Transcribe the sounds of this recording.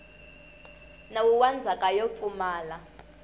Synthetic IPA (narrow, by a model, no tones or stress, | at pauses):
nawuwand͡zʱakʼajofumaːla